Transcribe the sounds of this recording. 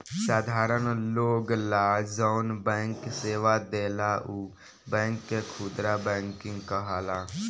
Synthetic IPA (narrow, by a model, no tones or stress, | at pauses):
saːd̪ʱaːɾənloːɡlaːd͡ʒaːnbɛ̃ːŋkseːʋad̪eːlaːʔuː | bɛ̃ːŋkːekʰud̪ɾaːbɛ̃ːŋkɪ̃ŋɡkəɦaːlaː